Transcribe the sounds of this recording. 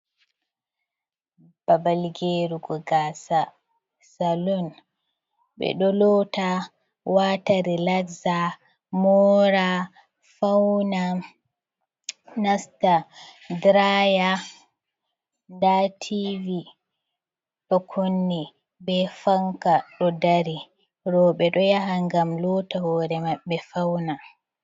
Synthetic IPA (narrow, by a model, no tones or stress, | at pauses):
b̥abalɡeɾuɡɔɡaːsa | salɔn | bɛ̰ɗɔlɔta | wataɾilakza | mɔɾa | fawna | nasta | dɾaja | ndatʰivi | ɗɔkʰonːi | bɛfaŋkaɗɔdaɾi | ɾɔɓɛɗɔjaɦaŋɡamlɔtawɔɾɛmaɓɛfawna